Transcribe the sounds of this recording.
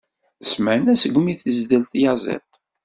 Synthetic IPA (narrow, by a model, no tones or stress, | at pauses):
smənæsəɡʷmiθəzd̪əlt̪jɑzˤɛ̰lt̪